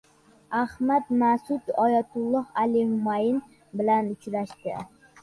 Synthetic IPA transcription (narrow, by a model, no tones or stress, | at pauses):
ahmad̪masʊt̪ɒjat̪ʰʊlˠːɒhalɪmʊmajɪn | bɪlanʊt͡ʃɾaʃt̪ɪ